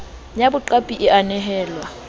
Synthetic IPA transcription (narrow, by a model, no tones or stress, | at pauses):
jabʊǃapʼiʔɪʔanɛɦɛːlwa